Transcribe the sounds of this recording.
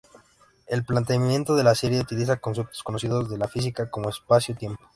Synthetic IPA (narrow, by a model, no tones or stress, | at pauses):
e̞lplant̪eajẽ̞nt̪o̞ðe̞laseɾjeut̪ilis̬ako̞ns̬ep̚t̪oskono̞siðo̞zðe̞lafis̬ikakomoespasjot̪je̞mpo̥